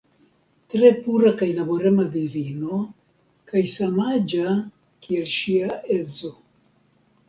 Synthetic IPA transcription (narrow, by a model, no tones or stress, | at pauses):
tɾe̞puɾakajlaboɾemaviɾino | kajsamad͡ʒa | kielʃiaʔezo